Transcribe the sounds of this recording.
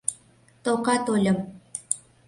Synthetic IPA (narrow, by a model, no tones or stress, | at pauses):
t̪okɑt̪olʲəm